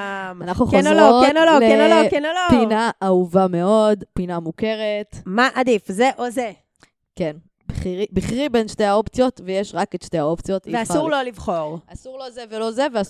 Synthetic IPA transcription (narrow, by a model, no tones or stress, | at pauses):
manaχnuχkazoloonololeenolokenolopinaʔauvame̞o̞dpinamuke̞ʁetmaʔadifzeʔoze | ken | biχiʁibiχʁibenʃte̞jhao̞pt͡sjo̞tvejeʃʁaketʃtehao̞pt͡sjo̞tiveasuʁlo̞livχo̞ʁasuʁlo̞zevelo̞zevea